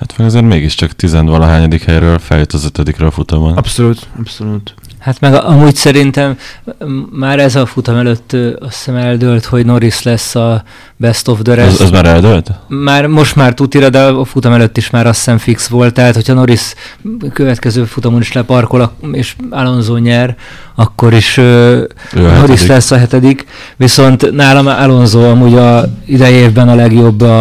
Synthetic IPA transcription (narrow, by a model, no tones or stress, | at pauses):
hat̪mɛɡɒzeːɾmeːɡiʃt͡ʃɒkt̪izɛnd̪vɒlɒɦaːɲɒd̪ikhɛjɾøːlfɛ̰ljøt̪ɒzøt̪ɛd̪ikɾɛɒfut̪omonɒpsoluːt̪ɒpsolut̪ | hat̪mɛɡʔɒmuːɟsɛɾint̪ɛmː | aːɾɛzɒfut̪ɒmɛløt̪ːøɒsɛmɛld̪ølt̪ho̞ɟno̞ɾislɛsːɒ | bɛst̪o̞vd̪øɾɛzɛzmaːɾɛld̪ølt̪maːrmo̞ʃt̪maːrt̪ut̪iɾɒd̪ɛːfut̪ɒmɛløt̪ːiʃmaːɾɒsːɛɱfiksʋo̞lt̪ːɛːt̪ho̞cʰhɒno̞ɾis | køvɛt̪kɛzøːfut̪ɒmuniʃlɛpɒrko̞lɒeːʃalo̞nzoːɲɛr | ɒkːo̞ɾiʃø | no̞ɾislɛsːɒɦɛt̪ɛd̪ik | ʋiso̞nt̪naːlɒmalo̞nzoːɒmuːɟɒid̪ɛjeːvbɛnɒlɛɡjo̞bːɒ